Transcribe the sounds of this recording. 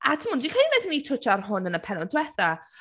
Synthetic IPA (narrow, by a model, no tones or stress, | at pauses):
atʰəmʊːndikʰainɛdnitʰʊt͡ʃʰarɦʊnənəpʰɛnɔndʰwɛθa